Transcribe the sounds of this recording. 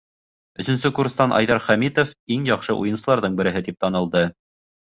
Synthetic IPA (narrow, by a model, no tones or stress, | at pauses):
ɵ̆sɵ̆nsɵkuɾrst̪ɑnʔɑ̰jðɑɾχæmit̪ofiŋjɑqʃɤʔṵjɤ̆nsɤ̆lˠɑɾðɤɴbɘ̆ɾɘ̆ɦɘt̪ip̚t̪ɑnɤ̆lˠd̪ɤ